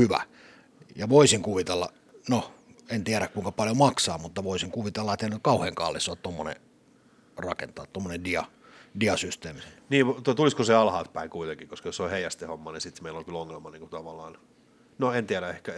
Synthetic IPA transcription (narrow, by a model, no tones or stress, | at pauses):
hyʋæ̰ | jɑʋoisiŋkuʋit̪elːɑ̰ | noent̪iæɾækkuiŋkɑpɑljomɑksɑːmut̪ːɑʋoisiŋkuʋit̪elːɑet̪ːˑenykɑuheːŋkɑ̰lːisˑoːt̪t̪omːonḛ | rɑ̰kḛnt̪ɑːtt̪omːonendiɑ | diɑsyst̪eːmniːʋt̪t̪uliskoseɑlhɑːt̪pæikuit̪eŋkikoskɑjosolheiæst̪ehomːɑnisit̪meilolkyloŋːelmɑniːŋkut̪ɑʋɑlːˑɑːn | noent̪iæɾæehkæ